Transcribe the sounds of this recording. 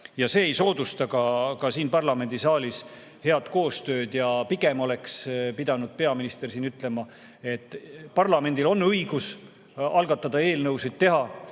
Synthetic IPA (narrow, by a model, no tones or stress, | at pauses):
jɑse̞ːejso̞ːd̪̥ust̪ɑkɑkɑsiːnpɑrlɑme̞nʲd̪isɑːlis | he̞ɑd̪̥ko̞ːst̪ø̞ːd̪̥jɑpiɡ̥e̞mo̞le̞kspid̪̥ɑnud̪̥pe̞ɑminist̪e̞rsiːnyt̪ːˑle̞mɑ | e̞t̪ːˑpɑrlɑme̞nd̪̥ilo̞nːɤjɡ̥us | ɑlɡ̥ɑt̪ːˑɑd̪̥ɑe̞ːlnɤwsid̪̥̚t̪e̞ɦɑ